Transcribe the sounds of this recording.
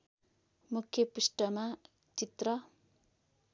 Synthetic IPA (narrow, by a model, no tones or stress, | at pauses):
mukʰjʌpusʈʌma | t͡ʃit̪rʌ